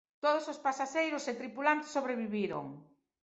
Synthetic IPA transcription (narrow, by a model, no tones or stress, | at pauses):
t̪oð̞osospasaʃejɾʊset̪ɾipulant̪ɪ̥sːoβɾeβiβiɾo̰ŋ